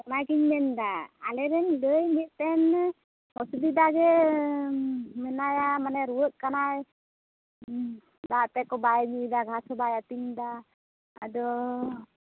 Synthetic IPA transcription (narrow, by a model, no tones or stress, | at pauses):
najkiɲmɛnd̪aalɛɾɛnləjmit̪̚t̪ɛn | hɔsubid̪aɡɛ | mɛnajamanɛɾuwəʔ̪̚kanaj | bat̪ɛkɔbajɲid̪aɡʱasɔbajat̪iɲd̪a | ad̪ɔ